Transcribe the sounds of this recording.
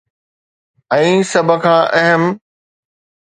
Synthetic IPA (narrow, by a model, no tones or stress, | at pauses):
ɛ̃ːsɐbʱə̆kʰãːʔɛɦəm